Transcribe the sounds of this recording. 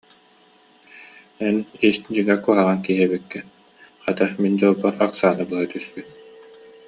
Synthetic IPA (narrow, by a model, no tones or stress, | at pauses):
ɛnisd͡ʑiŋakuɦaʁaŋkiɦɛbikːɛ | χat̪aχmind͡ʑɔlˠbɔɾaksaːnɯbɯɦat̪yspyt̪̚